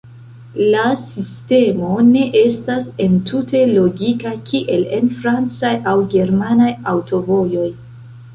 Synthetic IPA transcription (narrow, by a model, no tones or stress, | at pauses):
lasiste̞mo̞ne̞ʔe̞stase̞ntʰutʰe̞lo̞ɡikakʰiʔe̞le̞nfɾant͡sajawɡe̞ɾmanajawto̞vo̞jo̞j